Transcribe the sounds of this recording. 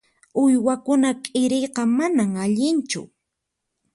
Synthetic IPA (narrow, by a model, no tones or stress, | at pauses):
ʊjwakʊnakʼɪɾejqɑmanaŋaʎɪnt͡ʃʊ̰